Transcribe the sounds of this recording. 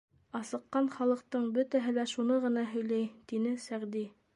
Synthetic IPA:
ɑsɤ̆qːɑnχɑlˠɤ̆q̚t̪ɤɴbɵt̪æɦɘlæʃunɤʁɤ̆nɑɦɵ̆jlæjt̪inɘsæʁd̪i

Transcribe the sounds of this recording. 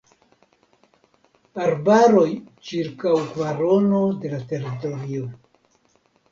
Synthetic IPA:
aɾbaɾo̞jt͡ʃiɾkawkvaɾo̞no̞de̞late̞ɾito̞ɾio

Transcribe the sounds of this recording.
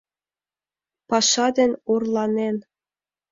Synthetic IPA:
pɑʃɑd̪ɘ̆nʲurlˠɑnen

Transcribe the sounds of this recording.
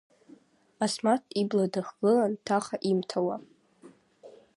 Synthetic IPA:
asmatʰibladaχɡ̥ɨlantʰaχaʔimtʰawa

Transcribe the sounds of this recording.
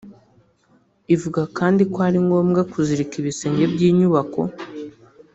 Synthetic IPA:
ivuɡakaːndikoaɾiŋɡo̞ːmɡakuziɾikiβise̞ɲɟe̞bjiːɲuβako̞̰

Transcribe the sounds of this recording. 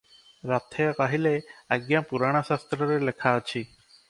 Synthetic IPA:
ɾat̪ʰekaɦileəɡjãpuɾaːɽ̃aʃast̪ɾəɾelekʰat͡ʃʰi

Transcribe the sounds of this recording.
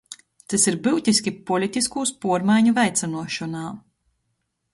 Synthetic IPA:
t̪isiɾbɨwt̪ʲiskʲipɔlʲit̪ʲiskuːspuɔɾmajɲuvɛjt̪sɛnuɔʃɔnaː

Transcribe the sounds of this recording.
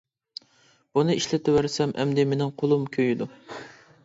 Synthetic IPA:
b̥unɨiʃlɪt̪ʰɪwæɾsɛmʔɛ̰md̪ɪmenɪŋqʰolˠumkʲʰøjyd̪u

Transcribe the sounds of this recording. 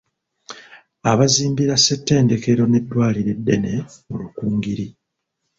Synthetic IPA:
aβaziːmbiɾasetːe̞ːnde̞ke̞ɾo̞ne̞dːwaːliɾe̞dːe̞ne̞mulukuːŋɡiɾi

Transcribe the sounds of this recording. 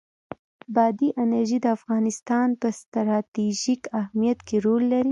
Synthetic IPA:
bɑd̪iʔɪnaɾʒid̪əafɣɑnɪst̪ɑnpəst̪ɾɑt̪iʒikahmijat̪keɾolːaɾi

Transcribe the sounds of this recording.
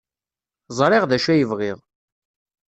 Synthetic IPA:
zˤɾˤɪʁðæʃæjəvʁɪʁˤ

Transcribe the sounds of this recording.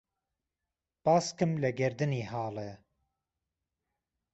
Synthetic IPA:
paːskɨmlɛɡɛɾd̪ɨniːɦaːlɛ

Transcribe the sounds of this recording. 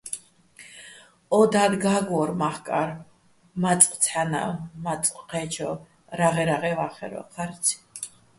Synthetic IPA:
ɔd̪ad̪ɡaɡɔɾmaχkʼaɾ | mat͡sʼqʼt͡sʰana̰mat͡s̪ʼqʼqʰɛt͡ʃʰɔ | ɾaʁɛɾaʁɛvaχɛ̰ɾɔ̰qʰaɾsʰi̥

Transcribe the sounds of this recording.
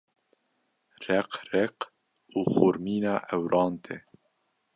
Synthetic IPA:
rɛqrɛq | uːfoːɾmiːnɑːʔɛwɾɑːnt̪ʰɛ

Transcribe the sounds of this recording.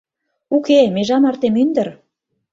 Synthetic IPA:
ukemeʒɑmɑrt̪emynd̪ə̆ɾ

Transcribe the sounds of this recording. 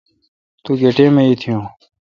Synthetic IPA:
t̪uːɡeːʈẽːmẽːiːt̪ʰijõː

